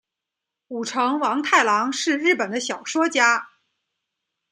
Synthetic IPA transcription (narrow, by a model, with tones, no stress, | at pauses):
u˨˩ʈ͡ʂʰɤ˧˥ŋwɑ˧˥ŋt̪ʰa˥˩ɪlɑ˧˥ŋʂɻ̩˥˧ɻɻ̩˥˩pə˨˩nd̪ə˦ɕjɑ˨˩ʊʂwɔ˥t͡ɕja˥